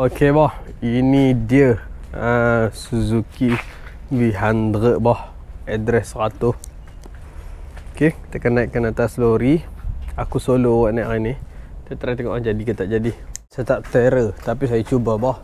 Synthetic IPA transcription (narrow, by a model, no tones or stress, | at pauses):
okebɔhinidiəəsuzuki | viɦand̪ɾəʔbɔh | ɛdɾɛsːəɾat̪ʊh | okekit̪akanaiʔkənat̪asloɾiakusolowaʔnajʔʔanit̪ət̪ɾat̪eŋɔʔad͡ʒadikit̪aʔd͡ʒadihsajat̪aʔt̪eɾət̪apis̬ajət͡ʃubəbɔh